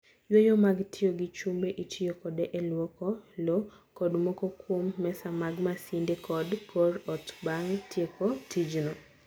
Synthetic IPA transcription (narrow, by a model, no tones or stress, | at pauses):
jwojomaɡtʰɪoɡɪt͡ʃumbeʔitʰɪjokɔdeʔelwɔkɔlo | kɔdmɔkokwomːɛsamaɡmasindekɔdkʰorɔtbaŋtʰjekotʰid͡ʒnɔ